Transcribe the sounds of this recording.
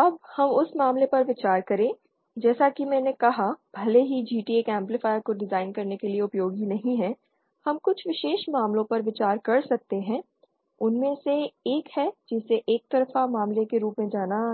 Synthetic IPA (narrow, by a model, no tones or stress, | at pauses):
ɐbhɐmʊsmaːmlepɐɾʋɪt͡ʃaːɾkɐɾẽː | d͡ʒɛːsakimɛ̃ːnekɐɦab̥ʱɐleɦid͡ʒiːʈieːkɛ̃ːmplɪfaːɪəɾkoɖɪzaːɪnkɐɾnekelieʊpjoːɡinɐɦĩɦɛ̃ː | hɐmkʊt͡ʃʰʋɪʃeːʃmaːmlõpɐɾʋɪt͡ʃaːɾkɐɾsɐk̚t̪eɦɛ̃ː | ʊnmẽseeːkhɛd͡ʒɪseʔeːk̚t̪ɐɾfamaːmlekeɾuːpmẽd͡ʒaːna